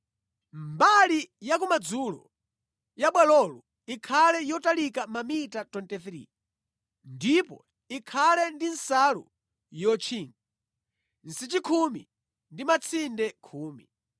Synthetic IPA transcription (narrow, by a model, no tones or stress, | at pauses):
mbalijak̬umad͡zulɔ̰ | jaɓwɛlɔlu | ikʰalɛjɔtalikamamitatɔntɛθɾḭ | ndipɔ̰ | ikʰalɛndinsalṵ | jɔt͡ʃʰiŋɡi | n̩sit͡ʃikʰumḭ | ndimat͡sʰindɛkʰuːmi